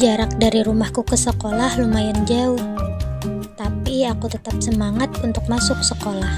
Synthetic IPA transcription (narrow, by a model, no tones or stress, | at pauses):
d͡ʒaɾak̚daɾiɾumahkukəsəkolahlumajand͡ʒaʊh | t̪apiakut̪ət̪ap̚səmaŋat̪̚unt̪ʊk̚masʊksəkolah